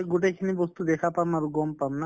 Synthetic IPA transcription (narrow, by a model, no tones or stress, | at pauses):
ɡuʈ̬ekʰinibɔst̪ud̪ekʰapamaɾuɡɔmpamna